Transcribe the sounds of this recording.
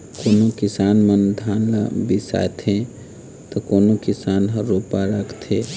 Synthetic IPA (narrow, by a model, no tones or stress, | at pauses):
koːnokisanmənd̪ʱanla̰bisa̰et̪ʰẽ | t̪ɔkoːnokisanɦəɾopaɾəkʰt̪ʰẽ